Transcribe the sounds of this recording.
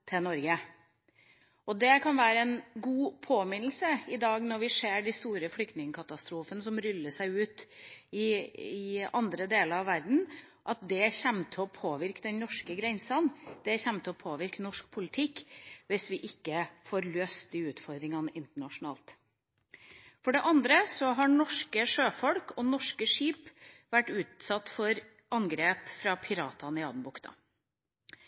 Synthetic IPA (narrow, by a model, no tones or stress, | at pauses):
t̪ʰɪnɔɾɡə | ɔd̪ɛkʰɑnʋæːɾəɛnɡuːpʰoːmɪnl̩səɪd̪ɑːɡnɔɾʋɪseːɖɪst̪uːɾəflʏk̚t̪nɪŋəkʰɑt̪ɑst̪ɾuːfənəsɔmɾʏlːəʂæɪʉːt̪ɪɪɑnd̪ɾəd̪eːləɾɑʋæɾd̪n̩ | ʔɑt̪̚d̪ɛçɛmt̪ʰɪɔpʰoːʋɪɾkəd̪ɛnnɔʂkəɡɾɛnsɑnd̪̥ɛçɛmt̪ʰɛɔpʰoːʋɪɾknɔʂk̚pʰʊlɪt̪ʰɪkːʋɪsʋɪʔɪkːəfoːɾløːst̪̚d̪ɪʉːt̪fɔɾd̪ɾɪŋɑnɪnt̪əɳɑʂʊnɑ̰ːlt̪ | fɔɖɛʔɑnd̪ɾəsɔɦɑɳɔʂkəʂøːfɔlkɔnɔʂkəʂiːpʋæʈːʉːt̪sɑt̪ːfɔɾ | ʔɑnɡɾeːpfɾɑpʰɪɾɑːt̪ʰɑnɪɑ̰d̪n̩bʊkt̪ɑ̰